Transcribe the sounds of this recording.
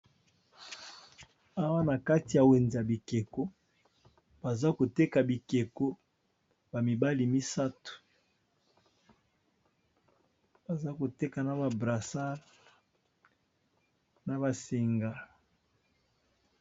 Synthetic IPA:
a˦wa˦na˨ka˦ti˨ja˨we˨nzi˨ja˨bi˨ke˨ko˦ | b̥a˨za˦ko˨te˦ka˨bi˨ke˨ko˦ | ba˨mi˨ba˦li˨mi˦sa˦tu̥˨ | b̥a˨za˦ko˨te˦ka˨na˨ba˨bʁa˨sa˦˨ | na˨ba˨si˨ŋɡa˨

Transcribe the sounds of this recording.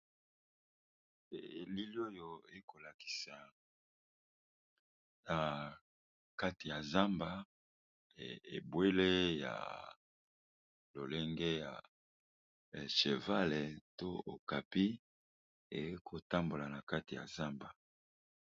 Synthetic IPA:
e˨li˦li˦o˦jo˨e˨˦ko˨la˨ki̥˨sa˨ | na˨ | ka˦ti˨ja˨za˦mba˦ | e˨e˨bwe˦le˦ja̰˨ | lo˨le˦ŋɡe˦ja̰˨ | ʃe˨va˦le˨to˦o̰˨ka˨pi˦ | e˨˦kʰo˨ta˦mbo˨la˨na˨ka˦ti˨ja̰˨za˦mba˨

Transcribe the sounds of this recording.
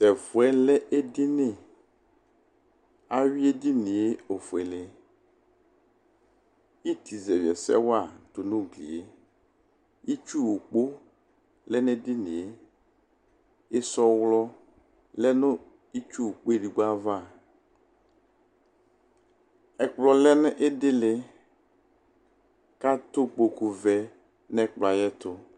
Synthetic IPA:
sɛ˨vu˨ɛ˦lɛ˦ʔe˦dɪ˦ne˦˨ | a˦ɥi˦e˦di˦ni˨e˦o˨fu˨ɛ˨le˦ | i˦t̪i˨zɛ˨vɛ˨sɛ̰˦wa˦˨t̪o˨nʊ̃˦ɡlḭ˨e˦ | i˦t͡ʃu˦˨wu˨k͡po˦ | lɛ˦nɛ˦dɪ˦nẽ˨e˦ | e˦sɔ˦wlɔ˦ | lɛ˦nʊ̃˦ | i˦t͡ʃu˦o˨k͡po˦e˦˨ɖi˨ɡ͡ba˦va˦˨ | ɛ˨k͡plɔ˨lɛ˦n˦ʔe˦dɪ˦lɪ˨ | ka˦t̪ʊ˦k͡po˨ku˨vɛ˨ | nɛ˦k͡pla˨jɛ˦t̪ʊ˦

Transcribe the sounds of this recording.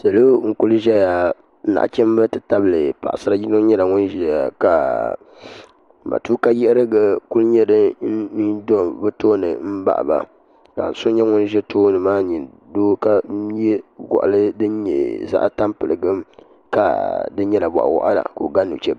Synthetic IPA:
sa˨lo˦ŋ̩˨ku˦lʒɛ˦ja˨˦ | na̰˨ʔt͡ʃɛ˦m˦bɛ˦tɨ˨ta˦bɨ˨lɨ˨pa̰˨ʔsɨ˦a˦ji˦no˦ɲɛ˦la˨ŋʊ˦n˦ʒɛ˦a˨ka˨ | ma̰˨tuː˦ka˦jɛ˦ʔɾɨ˦ɡɨ˨ku˦lɲɛ˦dɨ˦ni˦do˦bɨ˦toː˦nɨ̰˨m̩˦ba̰˦ʔba̰˨ | ka̰˨n˨sʊ˦ɲɛ˦ŋʊ˦n˦ʒɛ˦tʰoː˦nɨ˨maː˦ɲi˨n | doː˦ka˦ɛ˦ɡɔ̰˨ʔa̰˨lɨ˦dɨ˦n˦ɲɛ̰˨za̰˦ʔta˦mpɨ˨lɨ˨ɡɨ˦m | ka˨dɨ˦ɲɛ˦la˨bɔ̰˨ʔa̰˨wɔ̰˦ʔa̰˦da̰˨ko̰˨ɡa˦nṵ˨t͡ʃɛ˦b

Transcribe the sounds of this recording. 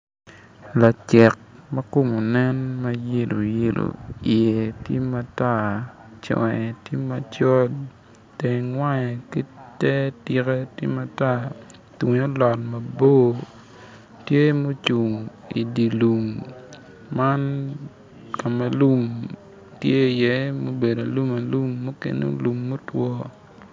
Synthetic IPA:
la˨t͡ʃɛ˨k̚mɐ˦ko˦mo˨nɛ˦nma˦je˦lo˨je˦lo̰˨i˨e˨tje˦ma˦ta˦˨ | t͡ʃɔ̰˨ŋɛ˨tje˦ma˦t͡ʃɔ˦d | te˨ŋwa˦ɲɛ˨ki˦tɛ˦ti˨kɛ˦tjḛ˦ma˦ta˦ | twu˨ɲo˦lɔ˨tma˨bo˦ | tje˦mo˦t͡ʃu˨ŋ | i˨di˨lu˨mː | a˦n | ka˨ma˨lu˦m | tje˦i˨je˦mo˦be˨da˨lu˦ma˨lu˦mːo˦kḛ˨no̰˦lu˨mːo˦twɔ˦

